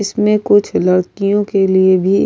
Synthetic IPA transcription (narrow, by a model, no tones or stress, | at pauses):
ɪsmẽkʊt͡ʃʰlɐɾkijõkeliebʱi